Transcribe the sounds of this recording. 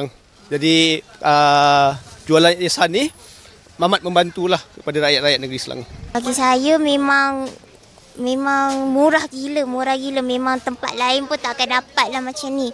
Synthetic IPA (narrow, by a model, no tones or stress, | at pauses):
aŋ | d͡ʒadiə | d͡ʒualanasanːih | mamat̪̚mə̃mbant̪ulahkəpadaɾajat̪̚ɾajat̪̚nəɡɾisəla̰ŋbaɡisajəmemaŋ | memaŋmuɾahɡiləmuɾahɡiləmemaŋt̪əmpa̰t̪̚laɪnpʊnt̪aʔkandapat̪̚lahmat͡ʃamni